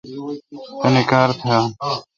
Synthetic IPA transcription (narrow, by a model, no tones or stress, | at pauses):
əneːkaːɾt̪ʰɪjaː